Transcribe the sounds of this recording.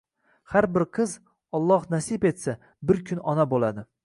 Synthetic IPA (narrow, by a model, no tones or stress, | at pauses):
haɾbɪɾqʰɨz | ɒlˠːɒhnasɪbe̞t̪sa | bɪɾkʲʰʊnɒnabolad̪ɪ